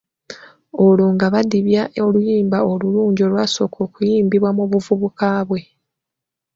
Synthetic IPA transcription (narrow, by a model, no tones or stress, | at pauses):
o̞loːŋɡaβadiβjaʔolujiːmbao̞luluːɲɟo̞lwaːso̞kʰo̞ːkujiːmbiβwamuβuvuβukaːβwe̞